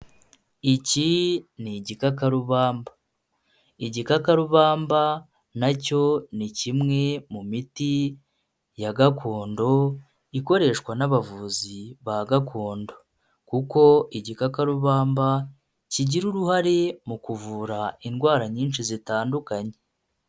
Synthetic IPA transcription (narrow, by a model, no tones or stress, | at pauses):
iciniɟikakaɾuβaːmba | iɟikakaɾuβaːmba | naco̞nicimŋe̞mumiti | jaɡakʰoːndo̞ | iko̞ɾe̞ːʃkwanaβavuːziβaɡakʰoːndo̞ | kuko̞iɟikakaɾuβaːmba | ciɟiɾuɾuhaɾemukuvuːɾainɡwaːɾaɲiːnʃizitaːndukaɲe